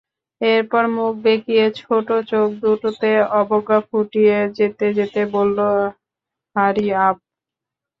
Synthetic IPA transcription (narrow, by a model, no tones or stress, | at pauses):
eɾpɔɾmuk̚bekijet͡ɕʰoʈot͡ɕok̚d̪uʈot̪eɔboɡakʰuʈijed͡ʑet̪ed͡ʑet̪ebolːo | ɦaɾiap̚